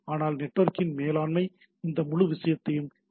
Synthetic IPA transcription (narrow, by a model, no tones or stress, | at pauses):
aːnaːlnɛʈːʋɐɾkɪnmeːlaːnmɐɪ | ɪnd̪ɐmʊɻʊʋɪʂɐjɐt̪ːɐjɯm